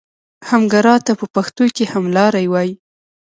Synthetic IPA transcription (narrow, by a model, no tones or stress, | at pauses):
hamɡaɾɑt̪apəpaxt̪ojkehamlɑɾajwɑji